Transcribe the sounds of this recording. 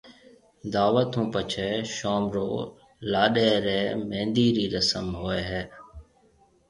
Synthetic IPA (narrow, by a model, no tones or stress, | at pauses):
d̪aːʋət̪ɦũːpət͡ʃʰeːʃoːmɾo̰ː | laːɗeːɾeːmẽːnd̪iːɾiːɾəsəmɦoːeːɦɛː